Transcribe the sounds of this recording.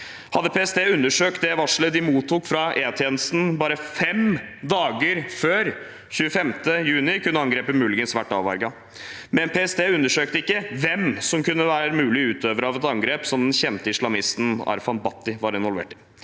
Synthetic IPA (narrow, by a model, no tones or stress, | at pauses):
hɑd̪əpʰeːɛsd̪eːʉnːəʂøːk̚t̪̚d̪ɛʋɑʂl̩əd̪ɪmuːt̪ʰːuːkfɾɑʔeːɑt̪ʰjeːnəst̪n̩bɑːɾəfɛmd̪ɑːɡəɾføːɾ | çʉːəfɛmt̪əjʉːnɪkʰʉnːəɑŋɡɾeːpəmʉːlɪɡənsʋæʈːɑːʋɑ̰ɾɡɑ | mɛnpʰeːɛsd̪eːʉnːəʂøːk̚t̪əɪkːəʋɛmsɔmkʉnːəʋæːɾəmʉːlɪʉːt̪ʰøːʋəɾɑːʋɛt̪ɑŋɡɾeːpsɔmd̪ɛnçɛnt̪əɪslɑmɪst̪n̩ɑ̰ɾfɑnbɑt̪ːɪʋɑɾɪnʋɔlʋḛːʈɪ̥